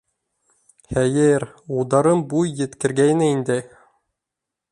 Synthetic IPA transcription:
hæjɘɾ | ulˠd̪ɑɾɤmbujːɘ̆t̪kɘ̆ɾɡæjnɘind̪ɘ

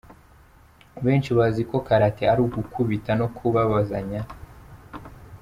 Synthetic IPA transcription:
βeːnt͡ʃiβaziko̞kaɾateaɾuɡukʰuβitano̞kʰuβaβazaɲa

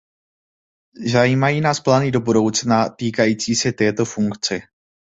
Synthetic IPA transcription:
zajiːmajiːnaːsplaːnɪdo̞budo̞wt͡snat̪iːkajiːt͡siːsɛt̪ɛːt̪o̞fuŋkt͡sɛ

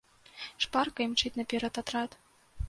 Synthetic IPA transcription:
ʂparkɐimt͡ʂɨtʲnɐpʲɛɾɐt̪at̪ɾat̪

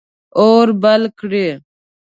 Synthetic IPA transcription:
oːɾbɐlkɽi

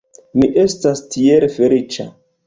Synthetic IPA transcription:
miʔe̞stastieɾefe̞lit͡ʃa̰

